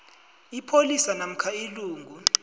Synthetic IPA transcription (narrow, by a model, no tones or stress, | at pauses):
ipʰolisanam̩kʰailuːŋɡʱu